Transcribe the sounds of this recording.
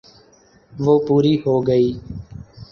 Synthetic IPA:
ʋoːpuːɾiːɦoːɡəiː

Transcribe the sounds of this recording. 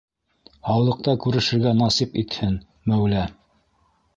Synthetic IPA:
ɑwɤ̆lˠɤ̆q̚t̪ɑkʉɾɘ̆ʃɘ̆ɾɡænɑsipit̪hɘn | mæwlæ

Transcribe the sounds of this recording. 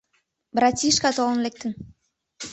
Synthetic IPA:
bɾɑtʲiʃkɑt̪olənlek̚t̪ə̆n

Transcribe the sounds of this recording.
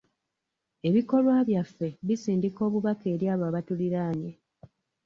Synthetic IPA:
e̞βiko̞lwaːβjafːe̞βisiːndiko̞ːβuβake̞ːɾjaːβaːβatuliɾaːɲe

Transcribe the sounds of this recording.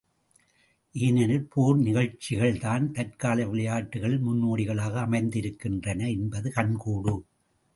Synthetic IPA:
ʔiːnɐnɯlpuːɾnɪɣɐɻt͡ʃːɪɣɐɭt̪aːnt̪ɐɾkaːlɐʋɪlɐjaːʈːɯɣɐɭɪlmʊnːoːɽɪɣɐɭaːɣɐːmɐɪnd̪ɪɾɯkːɪndrɐnɐɛnbɐðɯkɐnkuːɽɯ

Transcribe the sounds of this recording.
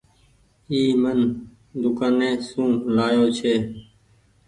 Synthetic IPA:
iːmən | d̪ʊkaːnẽːsũːlaːjoːt͡ʃʰeː

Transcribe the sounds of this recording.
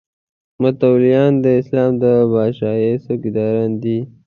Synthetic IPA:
mat̪awlijɑnd̪əɪslɑːmd̪əbɑʃɑjesokid̪ɑɾand̪i

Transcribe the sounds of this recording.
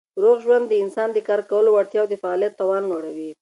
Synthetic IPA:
ɾoɣʒwand̪ːəɪnsɑnd̪əkɑɾkawəlowaɽt̪jɑwd̪əfaːlijat̪ːawɑnːoɽawi

